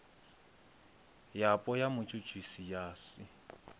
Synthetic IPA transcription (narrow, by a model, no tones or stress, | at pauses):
japʼɔjamʊt͡ʃʼʊt͡ʃʼisijaːsɪ